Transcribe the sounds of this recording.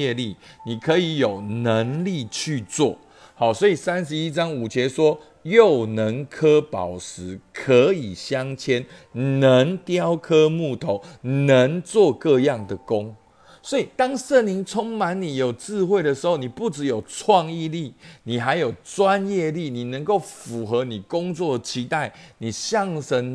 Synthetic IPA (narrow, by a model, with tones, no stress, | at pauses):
ɛ˥˧li˥˨ni˨˩kʰə˨˦i˧˦jo˨˩ʊnə˨˦ŋli˥˧t͡ɕʰy˥˧t͡swɔ̰˥˩ | hɑ˨˩ʊswɔ˧˥i˨˩sa˦nʂ̬ɻ̩˧i˦t͡sɑ˦ŋu˨˩t͡ɕʰjɛ˧˦swɔ˦ | jo˥˨˩ʊnə˨˦ŋkʰɤ˦pɑ̰˨˩ʊʂɻ̩˧˦kʰə˨˦i˨˩ɕjɑ˦ŋt͡ɕʰjɛ˦˥nnə˨˦ŋt̪jɑ˦ʊkʰɤ˥mu˥˩t̪ʰo˧˦ʊnə˨˦ŋt͡swɔ˥˧kɤ˥˧jɑ˥˨ŋd̪ə˩ko˦ŋ | swɔ˧˥i˨˩t̪ɑ˦˥ŋʂə˥˩nli˧˦ŋt͡sʰɔ˥ŋma˧˦nni˨˩jo˨˩ʊt͡sɹ̩˥˧xwe˥˩ɪd̪ə˩ʂ̩˧˦ho˥˩ʊni˨˩pu˥˩ʈ͡ʂɻ̩˨˦jo˨˩ʊt͡sʰwɑ˥˧ŋi˥˧li˥˨ni˨˩ɦa˧˥ɪjo˨˩ʊt͡swa˦njɛ˥˧li˥˨ni˨˩nə˧˦ŋko˥˩ʊfu˨˩xɤ˨˦ni˨˩kʊ˥˦ŋt͡swɔ˥˩d̪ə˩t͡ɕʰi˧˥t̪a˥˩ɪni˨˩ɕjɑ˥˧ŋʂə˧˦n